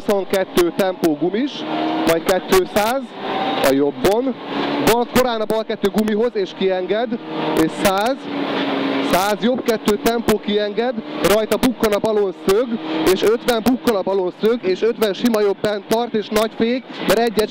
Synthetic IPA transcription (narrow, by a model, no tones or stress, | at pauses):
ɦuso̞ŋkɛt̪ːøːt̪ɛmpoːɡumiʃvɒckɛt̪ːøːsaːzɒ̰jo̞bːo̞nbɒlko̞ɾaːnɒbɒlkɛt̪ːøːɡumiɦo̞zeːʃkiɛŋɡɛd̪eːʃsaːz | saːzjo̞pkɛt̪ːøːt̪ɛmpoːkiɛŋɡɛd̪rɒjt̪ɒbukːonɒbɒlo̞nsøɡeːʃøt̪ʋɛmbukːonɒbɒlo̞nsøɡeːʃøt̪ʋɛnʃimɒjo̞bːɛnt̪ɒrt̪eːʃnɒcfeːɡmɛɾɛɟːɛ